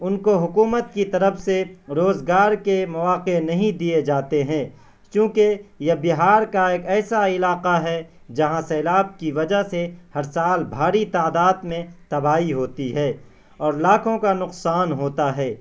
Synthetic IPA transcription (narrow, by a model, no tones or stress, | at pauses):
ʊnkoɦʊkuːmət̪̚kit̪ɐɾəfseɾoːzɡaːɾkemɐʋaːqenɐɦĩd̪ied͡ʒaːt̪eɦɛ̃ː | t͡ʃũːkejɐbɪɦaːɾkaeːkɛːsaɪlaːqaɦɛ | d͡ʒɐɦãsɛːlaːb̚kiʋɐd͡ʒaɦsehɐɾsaːlbʱaːɾit̪aːd̪aːd̪mẽt̪ɐbaːiɦoːt̪iɦɛː | ɔːɾlaːkʰõkanʊqsaːnɦoːt̪aɦɛː